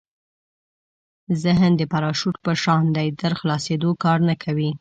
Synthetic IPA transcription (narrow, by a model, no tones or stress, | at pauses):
zɪɦnd̪əpaɾɑʃuʈpəʃɑnd̪ajd̪əɾxlɑsed̪okɑɾnakʰawi